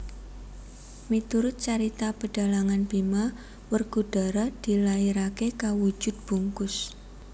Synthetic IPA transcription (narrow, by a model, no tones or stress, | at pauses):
mit̪uɾʊt̪̚t͡ʃaɾit̪apəɖ̥a̤laŋanbima | wərɡ̥uɖ̥a̤ɾad̪̥i̤laiɾakekawu̥d͡ʒ̥ʊ̤d̪̚b̥ṳŋkʊs